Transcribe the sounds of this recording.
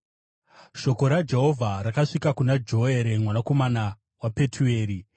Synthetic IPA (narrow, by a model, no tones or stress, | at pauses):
ʃo̞ko̞ɾad͡ʒe̞ɦo̞vʱaɾakaʂikakunad͡ʒo̞eɾe̞mwanako̞mana | wape̞tʰue̞ːɾi